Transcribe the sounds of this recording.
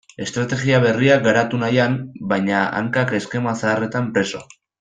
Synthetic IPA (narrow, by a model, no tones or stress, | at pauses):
e̞st̪ɾat̪e̞ɣiaβ̞e̞riaɡaɾat̪unajambajɲaa̰ŋkake̞ske̞masaːre̞t̪ampɾe̞so̞̰